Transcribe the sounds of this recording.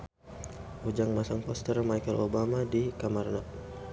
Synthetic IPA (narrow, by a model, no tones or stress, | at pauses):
ud͡ʒaŋmasaŋpɔst̪ərmajkəlʔobamadikamarna